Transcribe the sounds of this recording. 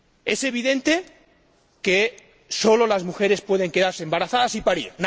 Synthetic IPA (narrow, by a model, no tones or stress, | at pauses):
ese̞β̞iðẽ̞nt̪e̞ | ke | so̞lo̞lazmuxe̞ɾe̞spwe̞ð̞e̞ŋke̞ðaɾseːmbaɾaθaðasipaɾḭɾn